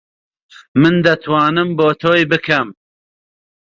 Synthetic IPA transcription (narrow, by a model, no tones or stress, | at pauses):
mɨnd̪ɐt̪ʰwɑːnɨmboːt̪ʰoːjbɨkʰɐm